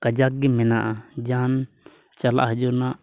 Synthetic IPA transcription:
kad͡ʒak̚ɡɛmɛnaʔad͡ʒan | t͡ʃala̰ʔɦəd͡ʒuɾnaʔ

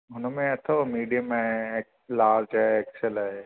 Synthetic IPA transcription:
ɦʊnəmẽɐt̪ʰomiːɖijəmẽk | laːd͡ʒaekselaɦe

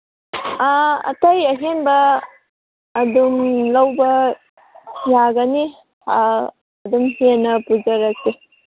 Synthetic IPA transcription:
aɐ̰tɐjɐɦenbɐ | dumlɐwbɐ | jaɡɐni | a | ɐdumhienɐpud͡ʒɐɾɐk̚se

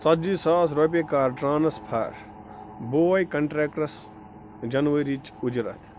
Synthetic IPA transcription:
t͡sɐd͡ʒisaːsɾop̬ʲekaːɾʈɾaːnɐspʰɐ̰ːɾ | boːɐjkɐɳʈɾeːkʈɐs | d͡ʒɐnʋɐɾit͡ʃud͡ʒɾɐ̰t̪ʰ

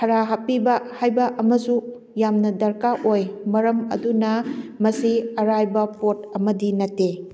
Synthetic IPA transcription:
kʰɐɾaɦapibɐhajbɐʔɐmɐsu | jamnɐdɐɾkaʔojmɐɾɐmɐ̰dunɐmɐsiɐɾajbɐpotɐmɐdinɐtːe

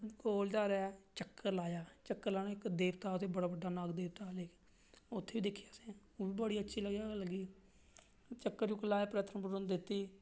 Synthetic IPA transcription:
koːld͡ʒaːɾeɛt͡ʃəkːəɾlaːjaːt͡ʃəkːəɾlaːnaːɪkd̪eːʋt̪aːʊt̪ʰːeːbəɽaːbəɖːaːnaːɡd̪eːʋt̪aːleːk | ʊt̪ʰːeːʋiːd̪ɪkʰːijaːsẽː | oːbiːbəɽiːətːʃʰiːləɡjaːləɡiː | t͡ʃəkːəɾt͡ʃuːkːəlaːjaːpɾət̪ʰəmpəd͡ʒʊnd̪ɪt̪ːiː

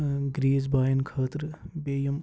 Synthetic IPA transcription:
ɡɾiːzbaːjɐnkʰaːt̪ɾbeːjɐm

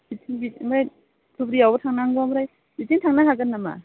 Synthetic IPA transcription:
bitʰiŋbimaj | tʰubɾiawbatʰaŋnaŋɡɔamɾaj | bitiŋtʰaŋnaɦaɡanːama̰

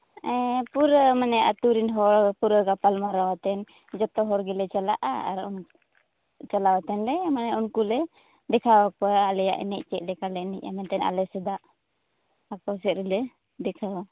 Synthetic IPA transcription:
ɛpuɾəmanɛjaʔat̪uɾinɦɔɾpuɾəkapalmaɾawat̪ɛn | d͡ʒɔt̪ɔɦɔɾɡɛlɛt͡ʃalaʔa̰a̰ɾɔn | t͡ʃalawat̪ɛnlɛmanɛjaʔunkulɛ | dɛkʰawakɔalɛja̰ʔɛ̰nɛʔ̚t͡ʃɛʔ̚lɛkalɛnɛʔ̚a̰mɛnt̪ɛna̰lɛsɛd̪aʔ | akɔsɛʔɾilə | dɛkʰaw

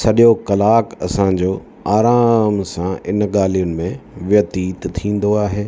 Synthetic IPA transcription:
sɐɗijokɐlaːkɐsãd͡ʑoː | aːɾaːmsãɪnɠaːlijʊnɪ̆mẽʋjɐt̪iːt̪t̪ʰĩːn̆d̪oaːɦeː

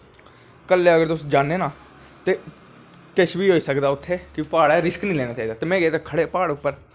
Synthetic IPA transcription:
kəlːeːəɡəɾt̪ʊsd͡ʒaːneːnãː | t̪eː | kɪʃʋiːɦoːiːsəkd̪aːʊt̪ʰːeːkɪpaːɽɛːɾɪsknĩːlɛːnaːt͡ʃaːiːd̪aːt̪eːmɛ̃ːɡeːt̪aːkʰəɽeːpaːɽʊpːəɾ

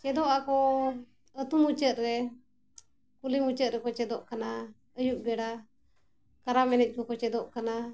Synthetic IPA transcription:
t͡ʃɛd̪ɔʔakɔ | ət̪umut͡ʃət̪̚ɾɛ | kulimut͡ʃət̪̚ɾɛkɔt͡ʃɛd̪ɔʔkana | əjuʔbɛɽa | kaɾamɛnɛc̚kɔkɔt͡ʃɛd̪ɔʔkana

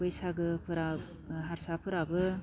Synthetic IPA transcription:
bɯjsaɡɯpʰɯɾa | ɦaɾsapʰɯɾabɯ

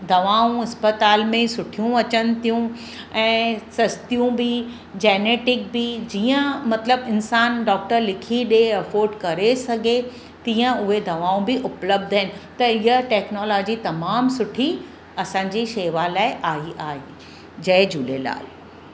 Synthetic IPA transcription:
d̪ɐʋaːũɐspət̪aːlmẽsʊʈʰijũɐt͡ɕənɪt̪ijũ | ɛ̃ːsɐst̪ijũbɪ | d͡ʑeːneːʈɪk̚bɪd͡ʑiːə̃mɐt̪ləbɪnsaːnɖɔːk̚ʈəɾlɪkʰiɗeɐfoːɾɖkɐɾesɐɡʱe | t̪iːə̃ʊɦed̪ʱɐʋaːũbɪʔʊpləb̚d̪ʱaɦɪnɪ̆t̪ɐɪɦəʈɛːknoːlɔːd͡ʑit̪ɐmaːmsʊʈʰi | ɐsãːɲd͡ʑiʃeːʋalaːɪʔaːiʔaːeː | d͡ʑɐɪd͡ʑuːlela̰ːɪ

